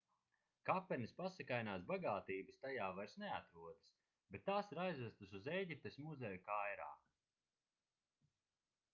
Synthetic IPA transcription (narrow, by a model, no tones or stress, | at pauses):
kapːɛnispasɛkajnaːs̬baɡaːt̪iːbɨst̪ajaːvaɾsnɛat̪ɾuɔd̪s | bet̪ːaːsiɾajzvæst̪ɨsuzɛjɟip̚t̪esmuzɛjukajɾa̰ː